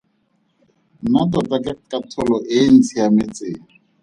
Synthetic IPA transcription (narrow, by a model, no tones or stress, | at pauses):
natɔtʼakʼɪkʼatʰʊlɔʔɪn̩t͡sʰijamɪt͡sɪːŋ̩